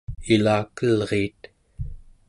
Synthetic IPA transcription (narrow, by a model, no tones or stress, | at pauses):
ilaːkəlʁeːt̪